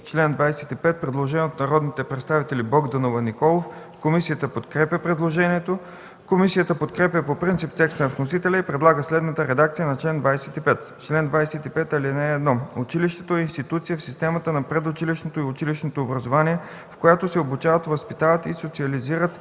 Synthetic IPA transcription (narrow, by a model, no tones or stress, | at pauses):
t͡ʃlɛnd̪vajsɛt̪ipɛt̪̚pɾɛd̪lˠoʒɛnʲot̪nɐɾɔd̪nit̪ɛpɾɛt̪st̪avit̪ɛlibɔɡd̪ɐnovənikɔlˠof | komisijət̪əpot̪kɾɛpjʲəpɾɛd̪lˠoʒɛniɛt̪o | komisijət̪əpot̪kɾɛpʲjəpopɾint̪ipt̪ɛkst̪ənɐfnosit̪ɛlʲɛipɾɛd̪lˠaɡəslɛd̪nət̪əɾɛd̪ak̚t̪sijənɐt͡ʃlɛnd̪vajsɛt̪ipɛt̪ | t͡ʃlɛnd̪vajsɛt̪ipɛt̪ɐlinɛːd̪nɔʊt͡ʃiliʃt̪ɛ̥t̪oɛinst̪it̪ut̪sijəfsist̪ɛmət̪ənɐpɾɛd̪ʊt͡ʃiliʃnot̪oiʊt͡ʃiliʃnot̪oːbɾɐzovaniɛ | fkojat̪osɛobut͡ʃavət̪vəspit̪avət̪isot̪siɐliziɾət̪